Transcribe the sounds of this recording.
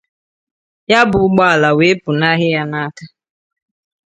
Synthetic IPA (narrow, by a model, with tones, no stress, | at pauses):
ja˦bʊ˨ʊ˦ɡ͡ba˦a˨la˨we˨˦pʊ˨na˦ɦɪ˦ja˦na˦ta˦